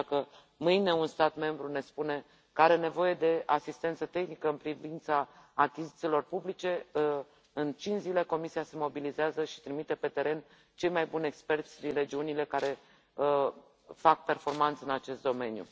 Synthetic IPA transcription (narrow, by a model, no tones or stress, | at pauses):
kə | mɨjne̞unst̪at̪me̞mbɾune̞spune̞ | kəaɾe̞ne̞vo̞je̞d̪e̞asist̪e̞nt̪sət̪e̞xnikəɨnpɾivint̪saːkʲizit̪silo̞rpublit͡ʃe̞ | ɨnt͡ʃinzile̞ko̞misiase̞mo̞bilizeazəʃi̥t̪ɾimit̪e̞pe̞t̪e̞ɾe̞n | t͡ʃe̞jmajbunʲe̞kspe̞rt̪sʲd̪inre̞d͡ʒiunile̞kaɾe̞ | fak̚pe̞rfo̞rmant̪sɨnat͡ʃe̞st̪̚d̪o̞me̞njṵ